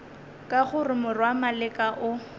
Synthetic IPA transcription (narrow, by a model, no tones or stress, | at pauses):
kʼaχʊrɪmʊrwamalɪkʼaʔʊ